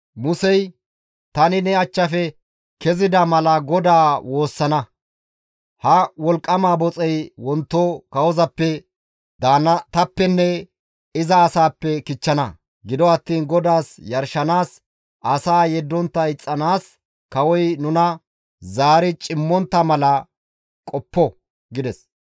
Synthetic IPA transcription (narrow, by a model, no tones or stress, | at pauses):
mʊsɛj | t̪ɐnɪnɛɐt͡ʃːɐfɛ | kɛzɪd̪ɐmɐlɐɡɔd̪aːwo̞ːsːɐnɐ | hɐwɔlkʼːɐmaːbɔt͡sʼɛjwɔnt̪ːokɐwɔzɐpːɛ | d̪anɐt̪ɐpːɛnːɛ | ɪzɐːsaːpːɛkɪt͡ʃːɐnɐ | ɡɪd̪ɔɐt̪ːiːnɡɔd̪aːsjɐɾʃɐnaːs | ʔɐsaːjɛd̪ːɔnt̪ːɐɪt͡sʼːɐnaːs | kɐwɔjnʊnɐ | zaːɾɪt͡ʃʼɪmːɔnt̪ːɐmɐlɐ | kʼɔpːɔ | ɡɪd̪ɛs